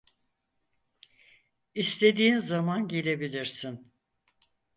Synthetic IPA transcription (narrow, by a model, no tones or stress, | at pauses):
ist̪ʰe̞d̪iːnzamanɟe̞lʲe̞bilʲiɾsin